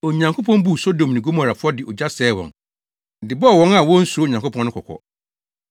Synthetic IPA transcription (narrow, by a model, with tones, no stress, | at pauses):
o˨ɲã˨ŋkʰo˦pʰɔ̃˦n˦bu˦˨so˦dõ˨mnĩ˨ɡo˦mã˨ɾa˨fʊ˦ɔ˦dɪ˨ʔɔ˨d͡ʑa˦sɛː˨˦wɔ̰̃˨n˨ | dɪ˨bɔ˦˨wɔ̃˦ŋa˨wɔ̃˦n̩˦su˨o˦˨ɲã˨ŋkʰo˦pʰɔ̃˦nʊ̃˦kʰɔ˨kʰɔ̰˨